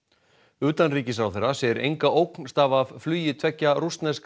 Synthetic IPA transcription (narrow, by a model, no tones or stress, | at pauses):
ʏːt̪anriːcɪsawθɛɾasɛɾḛjŋkaʔowkn̥st̪aːvavflyːjɪt̪ʰvɛcːarust̪nɛsk